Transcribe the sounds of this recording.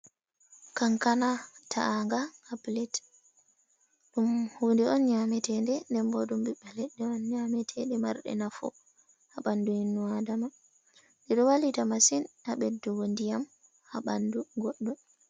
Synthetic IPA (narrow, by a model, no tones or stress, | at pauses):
kaŋkanatʰa̰ʔaŋɡaaplɛt | ɗumhuːndɛɔnɲamɛtɛndɛndɛmbɔɗumbiɓːɛlɛɗːɛɔnɲamɛtʰɛɗɛma̰ɾɗɛ̰nafɔ̰ | haɓanduhinːuadama | dɛɗɔwalitamasinhaɓɛdɔwondijam | haɓanduɡoɗːɔm